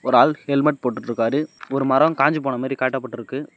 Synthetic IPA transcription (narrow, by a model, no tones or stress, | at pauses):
ɔɾaːlhɛlmɐʈ̚poːʈːɯʈɾɯkːaːɾɯɔɾɯmɐɾɐmkaːɲd͡ʒɯp̬oːɳɐmaːd̪ɾikaːʈːɐpːɐʈːɪɾɯkːɯ